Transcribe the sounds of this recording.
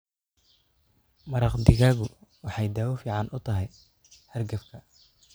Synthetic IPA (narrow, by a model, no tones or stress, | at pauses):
mɐɾɑqd̪ɪɣaːɣʊwɑħɑjd̪aːwʊfiːʕɑnʔʊt̪ʰɐɦɛj | hɐrɡɐfkʰɐ